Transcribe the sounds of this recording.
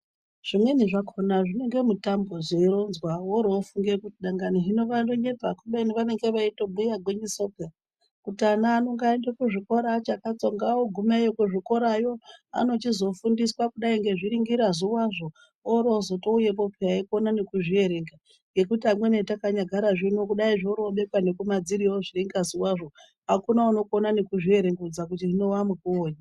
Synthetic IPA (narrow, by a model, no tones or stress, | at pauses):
ʐ̥imwe̞niʐakʰonaʐine̞ŋɡe̞mutambozeiɾonzwawoɾoːfuŋɡekutiɗaŋɡaniɦino̞ʋandoɲe̞pakuɓaniʋane̞ŋɡe̞ʋaito̞ɓujaɡweɲisopa | kutianaːno̞ŋɡaendakuʐiko̞ɾat͡ʃakat͡so̞ŋɡawoɡʱumajokuʐiko̞ɾajo̞a̰no̞t͡ʃizo̞fundiswakuɗaiŋɡe̞ʐiɾiŋɡiɾazuwaʐo̞ | oɾozo̞to̞uje̞p̬o̞pʰeaikonane̞kuʐie̞ɾeŋɡa | ŋɡe̞kutiamwenetakaɲaɡʱaɾaʐinokuɗaiʐoɾoɓe̞kwane̞kumad͡ziɾioʐiriŋɡazuwaʐo̞ | ɦakunauno̞konanekuʐie̞ɾe̞ŋɡud͡zak̬utiʐino̞wamukuoːɲa